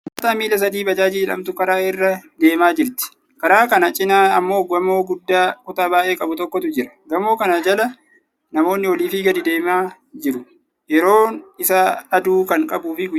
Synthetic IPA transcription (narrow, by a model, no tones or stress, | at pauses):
ɐt̪ɐmiːlɐs̬ɐd̪iːbɐd͡ʒaːd͡ʒilɐ̰mt̪ʊkɐɾaːɪrːɐd̪e̞ːmaːd͡ʒɪɾt̪ɪ̥ | kɐɾaːkɐnɐt͡ʃʼɪnaːɐmːoːɡɐmo̞ːɡʊd̪ːaːkʼʊt̪aːbaːʔe̞ːkʼɐbʊt̪ɔkːɔt̪ʊd͡ʒɪɾɐ̥ɡɐmo̞ːkɐnad͡ʒɐlɐ | nɐmo̞ːnːɪwɔliːfiːɡɐd̪ɪd̪e̞ːmaː | d͡ʒɪɾʊ | jɛɾo̞ːnɪsaɐd̪uːkɐŋkʼɐbuːfɪ